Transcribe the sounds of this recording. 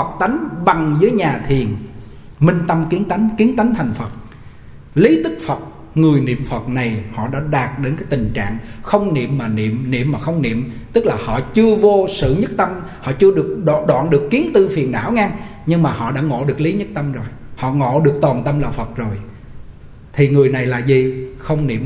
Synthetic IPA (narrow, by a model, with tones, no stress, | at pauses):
hə˨˩k̚t̪a˨˦jŋ̟ɓa˨˩ŋzɨː˨˦əjɲaː˨˩t̪ʰi˨˩ən | mï˧ŋ̟t̪ə˧mki˨˦ənt̪a˨˦jŋ̟ki˨˦ənt̪a˨˦jŋ̟t̪ʰa˨˩jŋ̟fə˨˩t̚ | li˨˦t̪ɨ˦˥k̚fə˨˩t̚ | ŋɨ˨˩əjnḭ˧˨əmfə˨˩t̚na˨˩jhɔ̰˧˨ɗa̰ː˧˥ɗaː˨˩t̚ɗe˨˦nkaː˨˦jt̪ï˨˩ŋ̟t͡ɕa̰ː˧˨ŋxə˧wŋ͡mnḭ˧˨əmːaː˨˩nḭ˧˨əmnḭ˧˨əmːmaː˨˩xə˧wŋ͡mnḭ˧˨əmt̪ɨ˦˥k̚laː˨˩hɔ̰˧˨t͡ɕɨ˧əvo˧sɨ̰˧˨ɲɨ˦˥t̚t̪ə˧m | hɔ̰˧˨t͡ɕɨ˧əɗɨ˨˩ək̚ɗɗwa̰ː˧˨nɗɨ˨˩əkːi˨˦ənt̪ɨ˧fi˨˩ənːa̰ː˧˥wŋaː˧ŋɲɨ˧ŋmaː˨˩hɔ̰˧˨ɗa̰ː˧˥ŋo̰˧˨ɗɨ˨˩ək̚li˨˦ɲɨ˦˥t̚t̪ə˧mzo˨˩jhɔ̰˧˨ŋo̰˧˨ɗɨ˨˩ək̚t̪waː˨˩nt̪ə˧mla̰ː˨˩fə˨˩t̚zo˨˩j | t̪ʰi˨˩ŋɨ˨˩əjna˨˩jlaː˨˩zi˨˩xə˧wŋ͡mnḭ˧˨əm